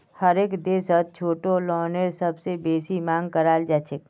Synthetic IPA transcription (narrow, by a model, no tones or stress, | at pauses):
həɾeːkd̪eːsət̪̚t͡ʃʰoːʈolɔːneɾsɐbsebeːsimãːŋɡ̚kəɾaːld͡ʒaːt͡ʃʰek